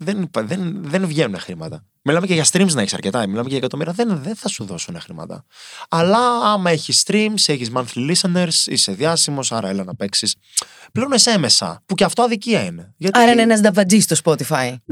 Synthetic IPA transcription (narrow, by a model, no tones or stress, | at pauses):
ðenpðenðenvʝe̞nune̞xɾimɐt̪ɐ | milɐme̞ceʝɐst̪ɾimznɐeçisɐɾce̞t̪ɐmilɐmeceɐekɐt̪omiɾiɐðenðenθɐsuðo̞sunexɾimɐ̰t̪ɐ̰ɐlɐɐmɐe̞çisːt̪ɾimseçizmɐnθlilisɐneɾsḭse̞ðʝɐsimo̞sɐɾɐelɐnɐpe̞ksis | pleuneseme̞sɐ̰puceɐft̪o̞ɐðiciɐine̞ʝɐt̪iɾɐineenɐzd̪ɐvɐd͡zist̪ospot̪ifɐj